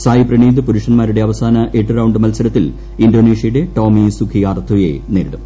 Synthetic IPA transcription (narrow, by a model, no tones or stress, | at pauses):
saːjiprɐɳiːd̪ɨpuɾuʂɐnmaːɾuɽe̞ɐʋɐsaːnɐʔeʈːɨrɐwɳɖɨmɐlsɐlɐt̪ːil | indoːneːʂjɐjuɽe̞ʈoːmisukʰiaːrt̪ʰujḛneːɾiɽum